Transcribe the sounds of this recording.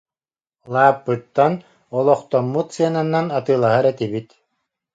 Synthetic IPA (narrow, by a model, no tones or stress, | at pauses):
lˠaːpːɯt̪ːan | ɔlˠɔχt̪ɔmːut̪sɯananːanat̪ɯːlˠaɦaɾɛt̪ibit̪